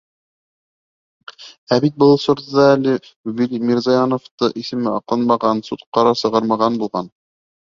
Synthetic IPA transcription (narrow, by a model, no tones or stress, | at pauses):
æbit̪̚bɤlˠsŏɾɤ̆ðɑælɘbilʲmʲiɾzɑjɑnŏft̪ɤʔisɘ̆mɘɑqlˠɤnmɑʁɑnsut̪qɑɾɑsɤ̆ʁɑɾmɑʁɑnbulˠʁɑn